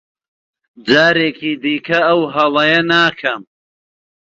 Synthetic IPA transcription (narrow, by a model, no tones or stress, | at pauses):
d͡zaːɾeːkʰiːd̪iːkʰɐɐwɦɐlɐjɐnaːkʰɐm